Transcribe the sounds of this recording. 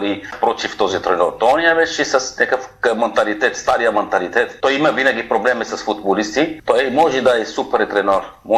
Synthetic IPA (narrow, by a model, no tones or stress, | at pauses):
lipɾɔt̪ift̪ɔzit̪ɾɛnɔɾt̪oɔnijavɛt͡ʃɛsɐsnɛkəfmɛnt̪alit̪ɛt̪st̪aɾijamɛnt̪alit̪ɛt̪ːɔjimavinaɡipɾoblɛmisɐsfut̪bolist̪it̪ɔɛmɔʒɛd̪aɛsupɛɾt̪ɾɛnɔɾ | mɔ